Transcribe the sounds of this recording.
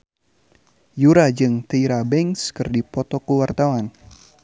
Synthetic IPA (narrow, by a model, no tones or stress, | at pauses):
juɾad͡ʒɨŋt̪əiɾabɛŋskɨrdipɔt̪ɔkuwart̪awan